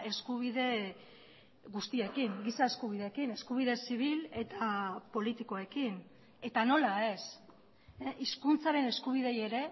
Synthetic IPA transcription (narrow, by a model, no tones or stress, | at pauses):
e̞skuβiðe̞ | ɣust̪iekiŋɡisae̞skuβ̞ið̞e̞ːkine̞skuβ̞iðe̞siβ̞ile̞t̪apo̞lit̪iko̞e̞kin | e̞t̪ano̞lae̞s | ʔiskunt͡saɾe̞ne̞skuβ̞iðe̞je̞ɾe̞